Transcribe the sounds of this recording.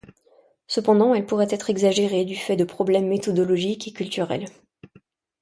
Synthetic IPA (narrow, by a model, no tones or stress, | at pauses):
səpɑ̃d̪ɑ̃ɛlpuʁɛt̪ɛt̪χɛɡzaʒeʁed̪yfɛd̪əpχɔblɛmːet̪ɔd̪ɔlɔʒikekʲylt̪yʁɛ̰l